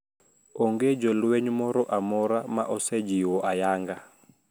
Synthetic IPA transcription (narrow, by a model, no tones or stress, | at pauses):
ɔŋɡed͡ʒɔlwɛɲmɔɾɔʔamɔɾamaʔɔsɛd͡ʒiwɔʔajaŋɡa